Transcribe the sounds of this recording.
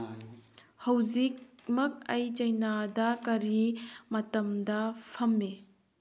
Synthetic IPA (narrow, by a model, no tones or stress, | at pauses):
hɐwzik̚mɐk̚ɐjt͡ʃɐjnadɐkɐɾimɐtɐmdɐpʰɐmːe